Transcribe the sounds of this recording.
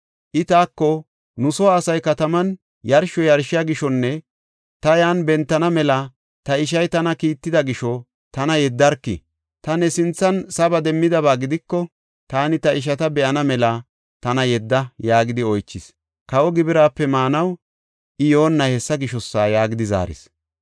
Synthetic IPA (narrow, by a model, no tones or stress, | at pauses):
ʔɪt̪aːkːɔ | nʊsɔwaːsɐjkɐt̪ɐmɐn | jɐɾʃɔjɐɾʃɪjaːɡɪʃɔnːɛ | t̪ɐjaːnbɛnt̪ːɐnɐmɛlɐ | t̪ɐɪʃ̬ɐjt̪ɐnɐkiːt̪ːɪd̪ɐɡɪʃɔ | t̪ɐnɐjɛd̪ːɐɾkːɪ̰ | t̪ɐnɛsɪnt͡sːɐnsɐbɐd̪ɛmːɪd̪ɐβaːɡɪd̪ɪkːɔ | t̪aːnɪt̪ɐɪʃ̬ɐt̪ɐbɛʔɐnɐmɛlɐ | t̪ɐnɐjɛd̪ːɐjaːɡɪd̪ɪɔjt͡ʃːɪs | kɐwɔɡɪbɪɾaːpːɛmaːnɐw | ʔɪjo̞ːnːɐhɛsːɐɡɪʃɔsːaːjaːɡɪd̪ɪza̰ːɾɪ̰s